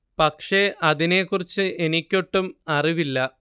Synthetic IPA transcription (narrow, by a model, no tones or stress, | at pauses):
pɐkʂe̞ʔɐðine̞kːurit͡ɕːɨʔe̞nikʲːo̞ʈːumɐriʋilːɐ